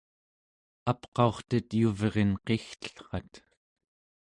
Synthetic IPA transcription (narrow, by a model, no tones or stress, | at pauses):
apqɑo̞χt̪ət̪juvʁenqext̪ə̥ɬχɑt̪